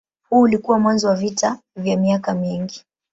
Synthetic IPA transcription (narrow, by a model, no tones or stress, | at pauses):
huːlikuwamwanzɔwavita | vjamiakamiŋɡi